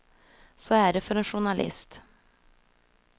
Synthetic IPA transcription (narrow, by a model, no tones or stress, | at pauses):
sɔæɖɛfœɾɛnɧʊɳalʔɪ̰st̪